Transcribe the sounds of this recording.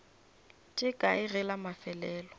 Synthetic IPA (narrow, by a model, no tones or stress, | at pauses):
tʼɪkʼaɪrɛlamafɛlɛːlɔ